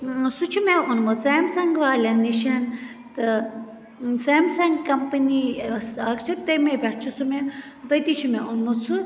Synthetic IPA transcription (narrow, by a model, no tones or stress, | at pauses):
sut͡ʃʰumeunmuseːmsɐŋɡʋaːlɐnːiʃɐn | t̪ɨ | seːmsɐŋɡkɐmpɐnisɐkt͡ʃʰɐt̪ːemebʲɐʈt͡ʃʰusume | t̪ɐt̪it͡ʃʰumeunmut͡sʰɨ